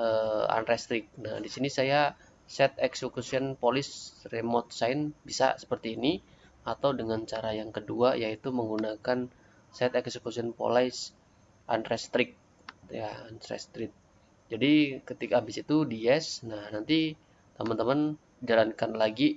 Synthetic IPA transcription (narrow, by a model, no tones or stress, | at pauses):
ʔəa̰nrɛst̪ɾɪk̚na̰hdisinisaja | sɛt̪̚ɛksekusiɔnpolɪsremɔt̪̚saɪnbisa̰sə̥pərt̪iːni | at̪awdəŋant͡ʃaɾajaŋkəduajait̪uməŋɡunakan | sɛt̪ɛksəkusiɔnpo̰lajs | ʔa̰nrɛst̪ɾɪkk̚ | jansrɛ̰st̪ɾɪt̪̚ | d͡ʒadikət̪ikabɪsit̪udiɛsnahnant̪i | t̪əmant̪əman | d͡ʒalankanlaɡi